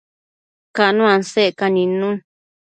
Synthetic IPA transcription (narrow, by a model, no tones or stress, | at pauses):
kanũãnsekanĩnũ